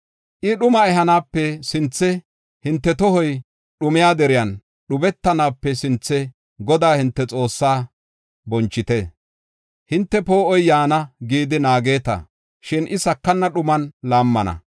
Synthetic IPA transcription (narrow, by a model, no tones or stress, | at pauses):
ʔɪɗʊmɐɛɦɐnaːpːɛsɪnt͡sːɛ | hɪnt̪ːɛt̪ɔhɔj | ɗʊmɪjaːd̪ɛɾɪjɐn | ɗʊbɛt̪ːɐnaːpːɛsɪnt͡sːɛ | ɡɔd̪aːhɪnt̪ːɛt͡sʼo̞ːsːaː | bɔnt͡ʃːɪt̪ɛ | hɪnt̪ːɛpo̞ːɔjjaːnɐɡiːd̪ɪnaːɡe̞ːt̪ɐ̰ | ʃɪnʔɪsɐkːɐnːɐɗʊmɐnlaːmːɐnɐ̰